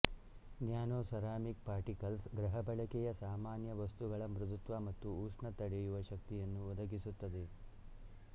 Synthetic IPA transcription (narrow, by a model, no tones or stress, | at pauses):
njaːnoːsɐɾaːmik̚paːɾʈikɐlsɡɾɐɦɐbɐɭɐkɛjɐsaːmaːnjɐʋɐst̪uɡɐɭɐmɾud̪ut̪ʋamɐt̪ːuuːʂɳɐt̪ɐɽɛjuʋɐʃɐk̚t̪ijɐnːuɔd̪ɐɡisut̪ːɐd̪e̞